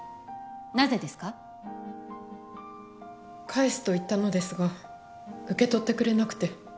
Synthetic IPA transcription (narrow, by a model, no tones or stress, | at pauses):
naze̞d̪e̞sɨ̥ka | kʰaisɨ̥t̪o̞it̪ːano̞d̪e̞sɨɡa | ɯ̟ke̞t̪o̞t̪ːe̞kɯ̟ɾe̞nakɯ̟̥t̪e̞